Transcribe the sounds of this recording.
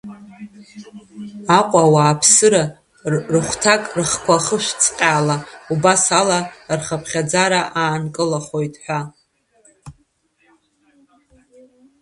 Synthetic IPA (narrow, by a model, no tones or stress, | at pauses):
aqʷʼawaːpʰsɨɾa | rɨχʷtʰakʼrɨχkʷʰaχəʃʷt͡sʰʼqʲʼaːlaubasalarχapʰχʲad͡zaɾaʔaːnkʼɨlaχojtʼħʷᶣa